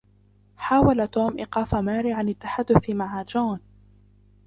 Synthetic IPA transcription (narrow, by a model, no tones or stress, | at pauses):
ħaːwalat̪oːmʔɪqɑːfamaːɾiʕanat̪ːaħad̪ːʊθmaʕad͡ʒaːn